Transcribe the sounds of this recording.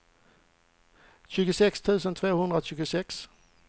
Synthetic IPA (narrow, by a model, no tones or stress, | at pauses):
ɕʉ̟ːɡʊsɛkst̪ʰʉ̟ːsənt̪ʰvoːhɵnd̪ɾaɕʉ̟ːɡʊsɛks